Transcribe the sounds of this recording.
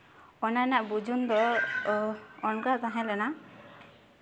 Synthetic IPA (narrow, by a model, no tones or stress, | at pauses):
ɔnanaʔbud͡ʒʱund̪ɔ | nkat̪aɦãlɛna